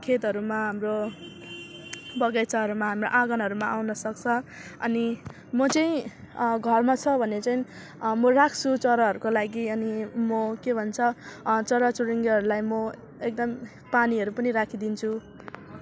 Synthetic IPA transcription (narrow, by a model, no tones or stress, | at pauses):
kʰet̪ɦʌɾumaɦamro | bʌɡat͡saɦʌɾumaɦamroʔaɡʌnɦʌɾumaawnʌsʌk̚t͡sʰʌʌni | mʌt͡sʌĩ | ɡʱʌrmat͡sʰʌbʱʌnet͡sʌĩ | mʌrakʰt͡sʰut͡sʌɾʌɦʌɾukolaɡiʌnimʌkebʱʌnt͡sʰʌt͡sʌɾʌt͡suɾiŋɡɦʌɾulajmʌ | ek̚d̪ʌm | paniɦʌɾupʌniɾakʰid̪int͡sʰu